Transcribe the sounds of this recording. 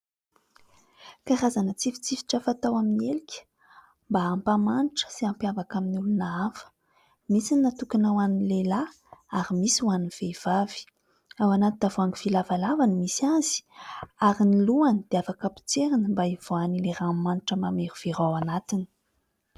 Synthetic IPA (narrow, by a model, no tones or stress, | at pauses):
kaɾazanət͡sifi̥t͡sivi̥ʈ͡ʂəfat̪awaminielikʲə̥ | mbaampamanʈ͡ʂə̥siampiavakaminulunaafə̥ | misininat̪ukanawanilela | aɾimisiuwaniv̥eiv̥avi̥ | awanat̪inavoaŋiv̥ilavalavanimisaz̥i̥aɾiniluanid̪̥eafakapi̥t͡seɾinəmbaiv̥oanileɾamːaniʈ͡ʂəmameɾuv̥eɾawanat̪ini̥